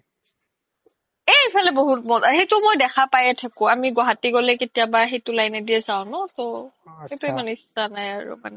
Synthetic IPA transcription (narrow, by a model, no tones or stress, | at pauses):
eepʰalɛboɦut̚mɔxejtʊmojdɛxapajɛtʰakʊ̃amiɡɔɦatiɡolɛketijabaɦejtʊlajnɛdiɛsaʊ̃nɔtɔ | xejtuemanɛistanajaɹṵma̰nɛ